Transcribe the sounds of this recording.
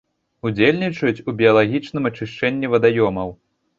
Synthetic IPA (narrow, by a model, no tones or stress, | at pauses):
ud͡zʲelʲnʲit͡ʂɐjut͡sʲubʲiɐlˠaɣʲit͡ʂnɨmɐt͡ʂɨʂt͡ʂɛnʲːivɐd̪ajɔmɐw